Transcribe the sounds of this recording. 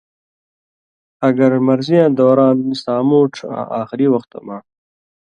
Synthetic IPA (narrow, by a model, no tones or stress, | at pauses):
aɡɐɾmɐɾzijãd̪oːɾɑːnisɑːmoːʈ͡ʂʰã̰ʔaːxɪɾiwaxt̪a̰ma